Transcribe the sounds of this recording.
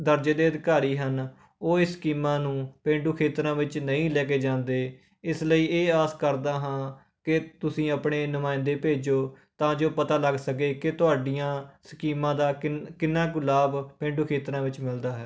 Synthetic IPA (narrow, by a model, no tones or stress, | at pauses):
d̪əɾd͡ʒeːd̪eːəd̪ɪkaːɾiːɦən | oːɪskiːmãːnũːpẽːɳɖuːkʰeːt̪ɾãːʋɪt͡ʃnəĩːlɛːkeːd͡ʒãːnd̪eː | ɪsləiːeːaːskəɾd̪aːɦãː | kɪt̪ʊsĩːəpɳeːnʊmaːɪ̃nd̪eːpeːd͡ʒoː | t̪ãːd͡ʒoːpət̪aːləɡsəkeːkɪt̪ʊaːɖijãːskiːmãːd̪aːkɪnːaːɡʊlaːbpẽːɳɖuːkʰeːt̪ɾãːʋɪt͡ʃmɪld̪aːɦɛː